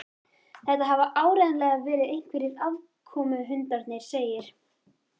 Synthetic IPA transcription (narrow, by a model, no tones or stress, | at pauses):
θɛht̪aɦavaʔaːwɾɛnlɛːɣavɛːɾɪðejŋ̥kʰvɪɾɪðav | kʰɔːmʏɦʏnt̪aɾt̪nɪɾ̥seːjɪɾ̥